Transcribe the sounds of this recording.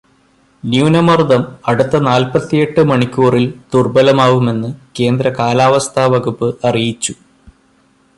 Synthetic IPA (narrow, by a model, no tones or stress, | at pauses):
njuːnɐmɐrd̪ɐmɐɽut̪ːɐnaːlpɐt̪ːijeʈːɨmɐɳikʲːuːrilt̪urbɐlɐmaːʋume̞nːɨke̞ːnd̪ɾɐkaːlaːʋɐst̪ʰaːʋɐɣupːɨʔɐrijit͡ɕːu